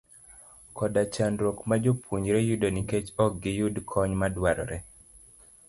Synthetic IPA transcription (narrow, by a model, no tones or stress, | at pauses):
kɔdat͡ʃanɾokmad͡ʒopʰwuɲɾɛjudoniket͡ʃɔk̚ɡɪjudkʰɔɲmadwaɾɔ̰ɾɛ